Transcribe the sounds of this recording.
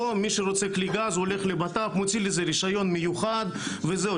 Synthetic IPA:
omiʃeɾot͡sekliɡazoleχlebat̪apmot͡silezeɾiʃajo̞nmejuχad̪veze

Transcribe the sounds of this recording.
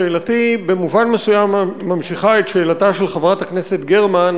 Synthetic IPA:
eːlatibe̞muvanmesujamːamʃiχaetʃeːlataʃe̞lχavʁatakne̞setɡeʁman

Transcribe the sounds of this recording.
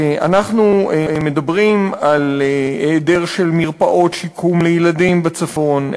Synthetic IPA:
ʔa̰naχnumed̪abʁimalede̞ʁʃe̞lmiʁpaʔo̞tʃikʰumlejeladimbat͡safo̞n

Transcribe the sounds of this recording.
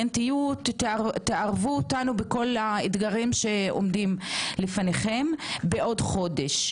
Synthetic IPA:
antijut̪ːaeaʁvuotanubeko̞laid̪ɡaʁimʃe̞o̰mdimlefaneχembeʔo̞dχo̞de̞ʃ

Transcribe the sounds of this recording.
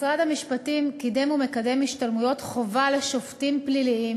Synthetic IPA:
sʁadamiʃpatimkidemume̞kade̞miʃtalmujo̞tχo̞vale̞ʃo̞ftimpliliim

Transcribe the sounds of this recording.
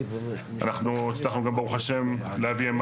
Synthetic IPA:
a̰naχnuit͡slaχnuɡambeʁuχaʃe̞m | lehaviam

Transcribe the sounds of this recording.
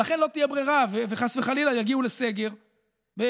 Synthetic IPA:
laχenlo̞t̪ijebʁeʁaveveχasveχalilajaɡiulese̞ɡe̞ʁ | be

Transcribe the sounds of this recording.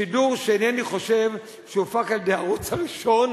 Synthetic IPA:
iduʁʃenɛaniχo̞ʃe̞v | ʃeufakaldeaʁut͡shaʁiʃo̞n

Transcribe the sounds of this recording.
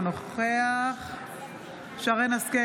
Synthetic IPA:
noχeaχ | ʃaʁenaske

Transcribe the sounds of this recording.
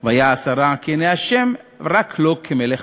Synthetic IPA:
vehajaːsaɾakeenejhaʃemʁakʰlo̞kʰemeleχ

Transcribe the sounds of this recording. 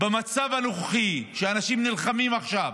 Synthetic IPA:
bemat͡savhanoχχiʃeanaʃimnilχamimaχʃav

